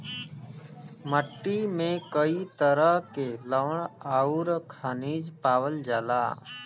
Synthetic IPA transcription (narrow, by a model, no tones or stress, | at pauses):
məʈːiːmẽːkəiːt̪əɾəɦkeːləʋəɳaːuːɾkʰaniːd͡ʒpaːʋəld͡ʒaːla̰ː